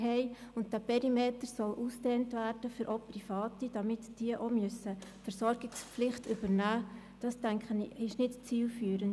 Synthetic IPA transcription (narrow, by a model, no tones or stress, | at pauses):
ɦɛɪʊnt̚d̥æpɛɾimeːtəɾsɔlʔuːstɛːntʋærd̥əfyɾʔoːprifɑːtid̥ɑmɪtd̥iəʔomʏsəfəɾsɔɾɡ̥ɪkspflɪχtʏb̥əɾnæː | d̥ɑstæŋkχənɪʃnɪtt͡siːlfyːɾən